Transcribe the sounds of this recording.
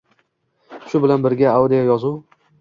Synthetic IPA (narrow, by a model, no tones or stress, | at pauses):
ʃʊbɪlanbɪɾɡʲaawd̪ɪjɒjɒzʊw